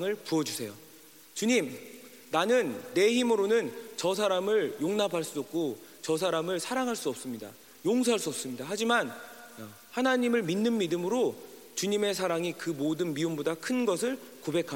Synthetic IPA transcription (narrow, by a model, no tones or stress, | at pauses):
ŋɯɭpuʌd͡ʑusʰe̞jo | t͡ɕuɲim | nanɯnːe̞çimɯɾonɯnt͡ɕʌs̬ʰaɾamɯɭjoŋnapʰaɭs͈uʌp̚k͈ot͡ɕʌs̬ʰaɾamɯɭsʰaɾaŋɦaɭs͈uʌp̚s͈ɯmɲida̰ | joŋsʰoɦaɭs͈uʌps͈ɯmɲidaɦad͡ʑiman | hanaɲimɯɭminːɯnmidɯmɯɾo | t͡ɕuɲime̞sʰaɾaŋikɯmodɯnmiumbodakʰɯnɡʌs̬ʰɯɭ | kobe̞kʰa